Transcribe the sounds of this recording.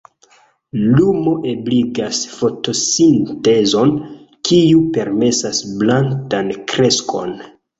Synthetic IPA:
lumo̞ʔe̞bliɡasfo̞to̞sinte̞zo̞n | kijupe̞ɾme̞sasblantankɾe̞skʰo̞̰n

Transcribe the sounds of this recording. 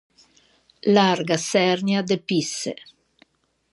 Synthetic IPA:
larɡasɛrnjad̪episːḛ

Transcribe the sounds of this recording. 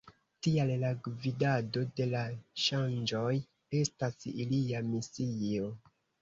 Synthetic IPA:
tiallaɡvidado̞de̞laʃand͡ʒo̞j | e̞stasiliamisio

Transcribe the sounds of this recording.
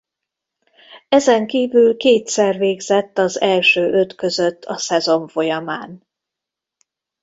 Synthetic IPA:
ɛzɛŋkiːvylkeːt̪sɛrveːɡz̥ɛt̪ːɒzɛlʃøːʔø̞t̪kø̞zø̞t̪ʰːɒ̰sɛzo̞ɱfo̞jɒmaːn

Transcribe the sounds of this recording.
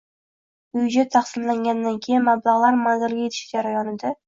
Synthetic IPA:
ʊjɪd͡ʒat̪ʰːɑχsɪmlaŋɡʲand̪ankʲʰejɪnmablˠaʁlˠaɾmanzɪlɡʲajet̪ʰɪ̥ʃd͡ʒaɾajɒnɪd̪a

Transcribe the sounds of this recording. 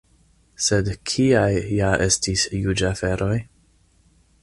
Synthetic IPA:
se̞dkʰiajːaʔe̞stisjud͡ʒafe̞ɾʔo̞j

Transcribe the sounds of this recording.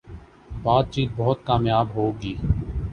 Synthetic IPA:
baːd̪̚t͡ʃiːt̪̚bɔɦʊt̪̚kaːmjaːbɦoːɡiː

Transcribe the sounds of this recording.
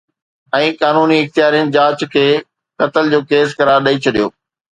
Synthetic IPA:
ɛ̃ːkaːnuːniɪxt̪ijaːɾijənɪ̆d͡ʑaːt͡ɕkʰeː | kɐt̪əld͡ʑoːkeːskɐɾaːɾɗɐit͡ɕʰɐɗijoː

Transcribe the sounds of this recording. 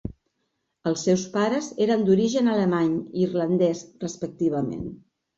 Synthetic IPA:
əlˠsːɛwspaɾəzeɾənd̪uɾiʒənələmaɲirlənd̪ɛsrəspək̚t̪iβ̞əmḛn

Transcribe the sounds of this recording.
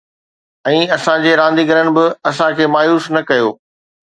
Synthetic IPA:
ɛ̃ːɐsãd͡ʑeːɾãːnd̪iɡɐɾəñɪ̆bɪɐsãkʰeːmaːjuːsnɐkɐjoː

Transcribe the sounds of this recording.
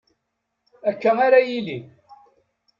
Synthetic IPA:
ækːəŋaɾajili

